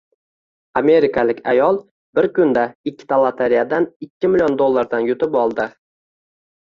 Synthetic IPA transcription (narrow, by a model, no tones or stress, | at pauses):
ame̞ɾɪkʰalɪkʲʰa̰jɒlˠ | bɪɾkʊnd̪aɪkʰʲːɪ̥t̪ʰalˠat̪ʰaɾijad̪anɪkʲʰːɪmɪlijond̪olˠːaɾd̪anjʊt̪ɪpɒlˠd̪ɪ